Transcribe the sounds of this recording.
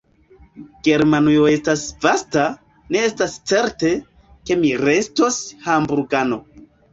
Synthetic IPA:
ɡ̥e̞ɾmanujo̞e̞stasvasta | ne̞estast͡se̞ɾte̞ | ke̞miɾe̞sto̞shambuɾɡano̞

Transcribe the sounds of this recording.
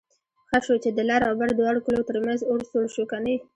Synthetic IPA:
xəʃot͡ʃed̪əlaɾawbaɾd̪wɑɽkalot̪əɾmanzoɾsoɽʃokanaj

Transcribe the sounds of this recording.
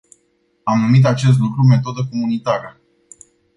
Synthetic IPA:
amnumit̪̬at͡ʃe̞s̬t̪lukɾume̞t̪o̞d̪əko̞munit̪aɾə

